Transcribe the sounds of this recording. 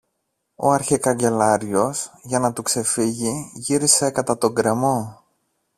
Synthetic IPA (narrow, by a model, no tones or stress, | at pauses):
o̞̰ɐɾçekɐɲɟe̞lɐɾʝo̞sʝɐnɐt̪ukse̞fiʝiʝiɾise̞kɐt̪ɐt̪o̞ŋɡɾe̞mo̞